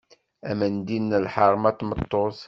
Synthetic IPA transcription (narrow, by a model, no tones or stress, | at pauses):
æmænd̪inːəlħɑɾˤmæt̪ːmət̪ˤːoθ